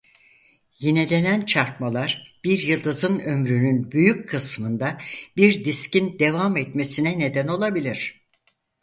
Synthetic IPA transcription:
jenelʲenʲænt͡ʃʰaɾk̪malˠaɾb̥iɾjɯlˠd̪ɯzɯnø̞mɾynynbyjyckʰːɯsmɯnd̪abiɾd̪iscind̪e̞vamɛt̪mesinɛne̞d̪æno̞lˠabilʲiɾ̝̥

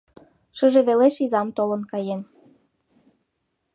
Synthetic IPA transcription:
ʃə̆ʒeβeleʃizɑmt̪olə̆nkɑjen

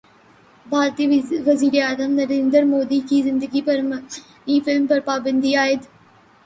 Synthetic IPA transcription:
bʱaːɾt̪iːʋɐziːɾeaːzəmnɐɾeːnd̪əɾmoːd̪ikizɪ̃nd̪əɡipɐɾm | ĩːfɪlmpɐɾpaːbə̃nd̪iaːɪt̪

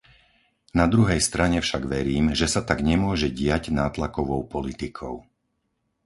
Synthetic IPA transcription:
nad̪ɾuɦɛjst̪ɾaɲɛfʃaɡʋɛɾiːmʒɛsat̪aɡɲɛmʊɔʒɛɟɪaɟnaːt̪lakɔʋɔʊpɔlit̪ikʰɔʊ

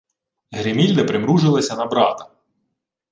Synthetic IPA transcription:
ɦɾɪmʲilʲd̪ɐpɾɪmɾuʒɪlˠɐsʲɐnɐbɾɑt̪ɐ̥

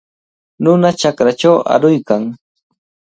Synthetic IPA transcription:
nʊnat͡ʃakɾat͡ʃawa̰ɾʊjkaŋ

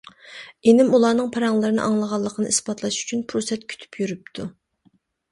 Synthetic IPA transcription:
enɪmulˠɑːnɨŋpʰɑɾɑŋlˠɨɾɨnɨ̰ʔɑŋlˠəʁɑlˠːəqʰənɨ̰ʔispɑt̪ʰlˠɑʃy̥t͡ʃʰynpʰɾosɛt̪̚kʲʰy̥t̪ʰy̥pʰjyɾyp̚t̪ʰu

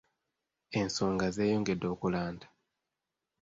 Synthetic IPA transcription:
e̞nso̞ːŋɡaze̞ːjoːŋɡe̞dːo̞ːkulaːndḁ

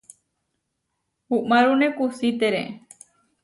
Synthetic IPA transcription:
uʔmaɾunekusit̪eɾḛ

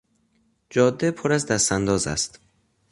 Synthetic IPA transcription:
d͡ʒɒːd̪ːepʰoɾæzd̪æst̪ænd̪ɒːzæ̰st̪

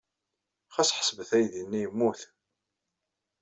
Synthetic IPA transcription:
χæsħə̥sbəθæjðinːijmːuθ

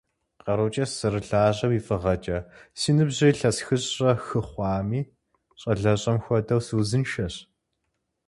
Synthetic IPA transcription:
qɐɾut͡ʃʼɐsɨrɨɬaːʑʼɐwifʼɨʁɐt͡ʃʼɐsiːnɨbʑɪɬɐsxɨɕʼrɐxɨχʷɑːmiː | ɕʼɐɮɐɕʼɐmxʷɔdɐwsuːzɨnʃɐɕ

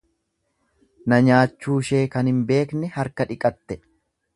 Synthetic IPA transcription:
nɐɲaːt͡ʃːuːʃe̞ːkɐnhɪmbe̞ːknɛhɐɾkɐᶑɪkʼɐt̪ːɛ

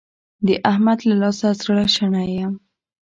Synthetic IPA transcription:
d̪əʔahmad̪lalɑsazɽaʃaɳajam

